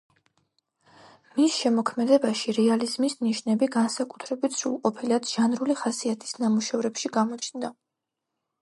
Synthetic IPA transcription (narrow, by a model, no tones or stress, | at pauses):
misʃɛmɔkʰmɛd̪ɛbaʃiɾɛalizmisniʃnɛbiɡansakʼu̥t̪ʰɾɛbit̪sṵlˠqʼɔpʰiliad̪ʒ̥anɾuliχasiat̪ʰi̥snamuʃɛvɾɛpʃiɡamɔt͡ʃʰnd̪a